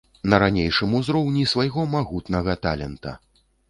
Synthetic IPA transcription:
nɐɾanʲejʂɨmuzɾɔwnʲisvajɣɔmaɣut̪nɐɣɐt̪alʲɛ̰nt̪ɐ̰

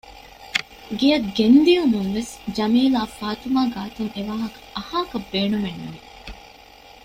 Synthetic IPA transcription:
ɡejɐɡend̪iumuŋʋesd͡ʒɐmiːlaːfaːt̪umaːɡaːt̪uŋeʋaːɦɐkɐ̥ɐhaːkɐbːeːnumenːuʋi

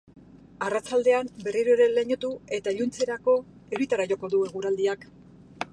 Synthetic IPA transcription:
arat͡ʃald̪e̞ambe̞riɾoɾe̞leɲo̞t̪ue̞t̪aeʎunt͡se̞ɾako̞ | eɾit̪aɾaʝo̞ko̞ðue̞ɣ̞uɾald̪iak

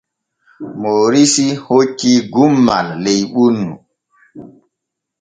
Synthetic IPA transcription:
moːɾisihokːiɡumːa̰lːejɓunːu

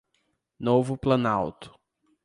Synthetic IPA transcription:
novʊplɐnawt̪ʊ̥

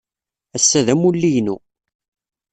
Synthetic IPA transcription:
æsːæðæmulːijnu

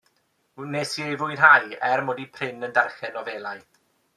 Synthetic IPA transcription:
nesiejvʊɨjnɦajɛrmoːdipʰrɪnəndarχɛnɔveːlˠaj

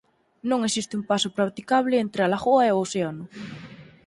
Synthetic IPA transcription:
nõŋesist̪ɪumpasʊpɾat̪ikaβ̞lɪent̪ɾɪalaɣoɐeoseanʊ

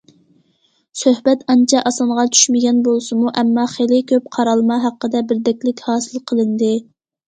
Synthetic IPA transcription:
søhbɛt̪ɑnt͡ʃʰɑʔɑsɑɴʁɑt͡ʃʰy̥ʃmɪɡʲɛnbolˠsɨmuʔɛmːɑχelɪkʲʰøp̚qʰɑɾɑlˠmɑɦæqːəd̪ɛbɪɾd̪ɛkʲlɪkʲhɑːsɨlˠqʰəlˠɨnd̪ɪ

